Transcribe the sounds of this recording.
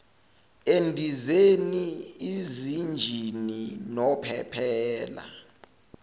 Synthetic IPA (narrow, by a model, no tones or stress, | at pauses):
endʱizeniizind͡ʒʱininɔpʰɛ̰pʰɛːla̰